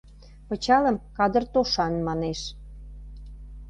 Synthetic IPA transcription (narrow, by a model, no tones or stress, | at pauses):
pə̆t͡ɕɑləmkɑd̪ərt̪oʃɑnmɑneʃ